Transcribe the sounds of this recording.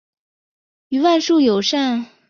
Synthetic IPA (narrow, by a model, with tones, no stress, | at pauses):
y˧˥wa˥˧nʂu˥˩jo˨˩ʊʂa˥˩n